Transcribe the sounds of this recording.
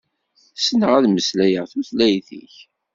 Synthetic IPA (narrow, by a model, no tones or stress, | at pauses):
sənəʁæðməslæjəʁθuθlæjθḭç